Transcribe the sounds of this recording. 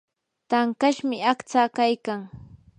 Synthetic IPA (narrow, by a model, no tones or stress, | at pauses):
t̪aŋkaʃmɪakt͡saːkajkaŋ